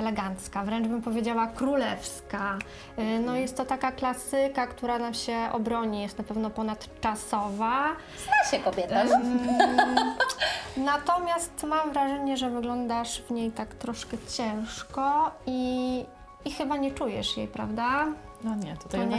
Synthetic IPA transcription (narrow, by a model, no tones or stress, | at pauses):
ɛlɛɡant̪skavɾɛnʐbɘmpɔvʲjed͡ʑawakɾulɛfska | nɔjɛst̪ːɔt̪akaklasɘkakt̪uɾanamɕɛʔɔ̰bɾɔɲijɛst̪napɛvnɔpɔnat̪t͡ʂasɔva | z̥naɕɛkɔbʲjɛt̪a | nat̪ɔmʲjast̪mamvɾaʐɛɲɛʐɛvɘɡlɔnd̪aʂvɲejt̪akt̪ɾɔʂkɛt͡ɕɛ̃w̃ʂkɔi | ixɘbaɲɛt͡ʂujɛ̰ʂjḛjpɾa̰vd̪a | aɲɛt̪u̥t̪ɔɲɛ